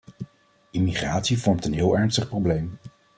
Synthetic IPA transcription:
imiχraːtsivɔɹmtənɦɪːlˠɛɹnstəχprowblejm

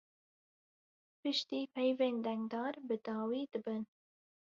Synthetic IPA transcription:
pɨʃt̪iːpʰɛjveːnd̪ɛŋɡd̪ɑːɾbɨd̪ɑːwiːd̪ɨbɨn

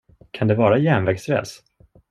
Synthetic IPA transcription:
kʰand̪ɛvɑːɾajæɳvɛɡsɾɛ̰ːs

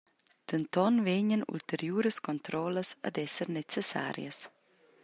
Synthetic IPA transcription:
d̪̥ənt̪ɔnveɲənṵlt̪əɾjuːɾəskɔnt̪ɾɔləsə̰d̪ɛsəɾnet͡sesa̰ɾj̰ə̰s

